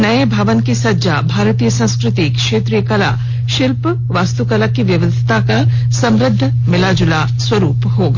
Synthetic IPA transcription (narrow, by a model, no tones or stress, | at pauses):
nɐebʱɐʋənkisɐd͡ʒabʱaːɾt̪iːjəsɐ̃w̃skɾɪt̪ikʃeːt̪ɾijəkɐla̰ | ʃɪlp | ʋaːst̪ukɐlakiʋjɐʋəd̪ʱɪ̥t̪aka | sɐ̃mɾɪd̪ʱː | mɪlaːd͡ʒʊla | swɐɾuːpɦoːɡa